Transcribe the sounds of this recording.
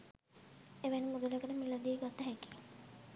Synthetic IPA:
eʋenimud̪ulekəʈəmilɐd̪iːɡat̪əɦɛki̥

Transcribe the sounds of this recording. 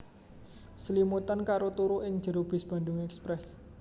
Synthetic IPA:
səlimut̪ənkaɾot̪uɾuʔɪŋ̥ʒ̥əɾob̥ɪ̤sb̥a̤ndʊŋɛkspɾɛs

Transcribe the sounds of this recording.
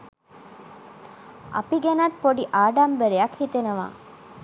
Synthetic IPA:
ʔɐ̰piɡenɐt̪poɖiʔaːɖambeɾejɐkhit̪enɐʋa̰ː

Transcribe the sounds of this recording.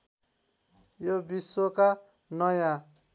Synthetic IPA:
jobiswoka | nʌjã

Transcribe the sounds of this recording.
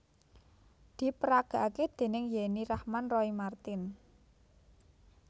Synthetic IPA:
d̪̥i̤pəɾaɡ̥a̤ʔaked̪̥e̤nɪŋjeniɾahmanrɔimart̪ɪn

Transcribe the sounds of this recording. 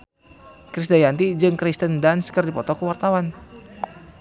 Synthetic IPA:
kɾisdajant̪id͡ʒɨŋkɾist̪əndanskɨrdipɔt̪ɔkəwart̪awan

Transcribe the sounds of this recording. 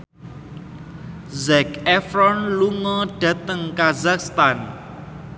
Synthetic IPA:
zɛkɛfɾɔnluŋɔɖ̥ä̤t̪əŋkazakst̪an

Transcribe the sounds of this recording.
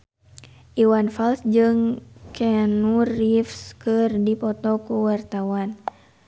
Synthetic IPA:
ʔiwanfalsd͡ʒɨŋkʰɛnurifskɨrdipɔt̪ɔkuwart̪awan

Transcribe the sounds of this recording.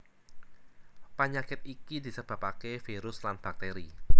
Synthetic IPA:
pəɲakɪt̪̚ikid̪isəb̥a̤pakefiɾʊslanb̥a̤k̚t̪eɾi

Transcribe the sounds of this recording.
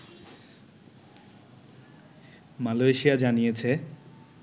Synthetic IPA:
maloeʃijad͡ʑanijet͡ɕʰe

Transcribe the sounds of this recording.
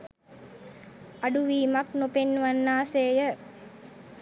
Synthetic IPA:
aɖuʋiːmaknopenːuʋanːaːseːjə

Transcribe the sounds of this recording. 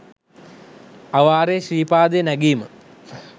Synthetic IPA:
aʋaːɾeːɕriːpaːd̪ejnæɡiːmə

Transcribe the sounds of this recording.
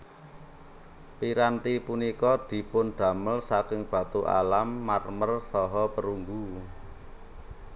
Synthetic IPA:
piɾant̪ipunikɔd̪̥i̤pʊnɖ̪̥ä̤məlsakɪŋb̥ä̤t̪uʔa̰lamːarmərsɔɦɔpəɾuŋɡu

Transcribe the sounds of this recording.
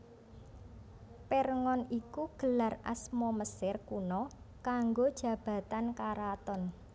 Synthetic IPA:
perŋɔnikuɡ̥ə̤lara̰smɔməsɪrkunɔ | kaŋɡod̥ʒ̥ä̤b̥ä̤t̪ankaɾat̪ɔn

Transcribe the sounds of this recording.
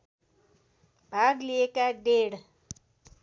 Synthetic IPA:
bʱaɡliekaɖeɽ

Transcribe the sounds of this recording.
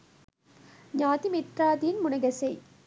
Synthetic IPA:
ɲaːðimɪʈraːðiɪnmʊnɐɣɐsɐɪ

